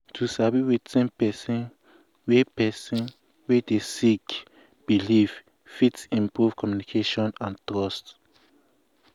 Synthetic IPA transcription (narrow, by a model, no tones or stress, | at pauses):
tʰusabiwitɛ̃npɛsɔ̃n | wepɛsɔ̃n | wɛdesik | b̥iliv | fitsĩmpɹuv̥kʰɔmjunikʰeʃɔ̃nãntɹɔst